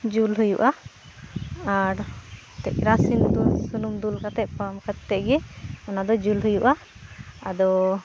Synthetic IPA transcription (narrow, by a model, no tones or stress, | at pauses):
d͡ʒulɦujuʔa | aɾ | t̪ɛʔ̚ɾasint̪usunumd̪ulkat̪ɛʔ̚pamkʰatt̪ɛʔ̚ɡɛɔnad̪ɔd͡ʒulɦujuʔa | ad̪ɔ